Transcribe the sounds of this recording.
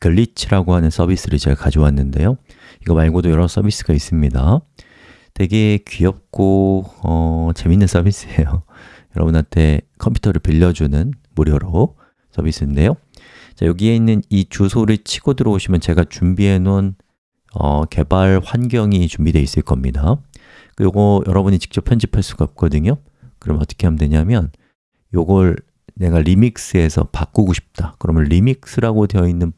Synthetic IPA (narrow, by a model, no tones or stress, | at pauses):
kɯɭːit͡ɕʰiɾaɡoɦanɯnsʰʌbis͈ɯɾɯt͡ɕekad͡ʑowanːɯnde̞̰jo | iɡʌmaɭɡodojʌɾʌs͈ʰʌbis͈ɯɡais͈ɯmɲida | te̞ɡe̞kɥiʌp̚k͈oʌt͡ɕe̞minːɯnsʰʌbis͈ɯejo | jʌɾʌbɯnɦantʰe̞kʰʌmpʰu̥tʰʌɾɯɭpiʎːʌd͡ʑunɯnmuɾjʌɾo | s͈ʰʌbis͈ʰɯːnde̞jo | t͡ɕa̰joɡie̞inːɯnit͡ɕusʰoɾɯɭt͡ɕʰiɡ̥odɯɾʌoɕʰimjʌnt͡ɕe̞ɡat͡ɕumbienon | ʌ̰ke̞baɭɸwanɡjʌŋit͡ɕumbide̞is͈ɯɭk͈ʌmɲida | kɯjoɡʌjʌɾʌbuɲit͡ɕi̥k̚t͡ɕ͈ʌpʰjʌnd͡ʑipʰaɭs͈uɡaʌp̚k͈ʌdɯɲo | kɯɾʌmʌt͈ʌ̥kʰe̞ɦamdwe̞ɲamjʌn | joɡʌɭ | ne̞ɡaɾimik̚s͈ɯe̞sʰʌ̰pak͈uɡoɕʰi̥p̚t͈akɯɾʌmjʌnɾimik̚s͈ɯɾaɡode̞jʌinːɯn